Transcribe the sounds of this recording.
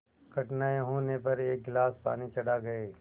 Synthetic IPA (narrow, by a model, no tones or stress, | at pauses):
kɐʈnaeɦoːnepɐɾeːk̚ɡlaːspa̰ːnit͡ʃɐɽaɡɐeː